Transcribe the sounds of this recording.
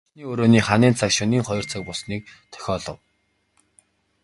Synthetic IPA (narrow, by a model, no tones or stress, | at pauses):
niːoːɾoːniːχaniːnt͡sʰakʃʊniːŋχɔj̆r̥t͡sʰə̆k̚pʊsniːk̚t̪ʰœ̥xʲɔːɮɞ̆w